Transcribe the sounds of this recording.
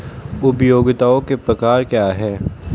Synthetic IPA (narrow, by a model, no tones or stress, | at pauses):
ʊpjoːɡɪt̪aːõkepɾɐkaːɾkjaːɦɛː